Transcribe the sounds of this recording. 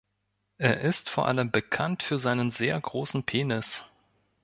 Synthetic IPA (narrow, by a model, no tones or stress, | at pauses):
ʔeːɐʔɪstfoːɐʔa̰ləmbəkʰantfyːɐzaɪnənzeːɐɡʁoːsn̩pʰeːnɪs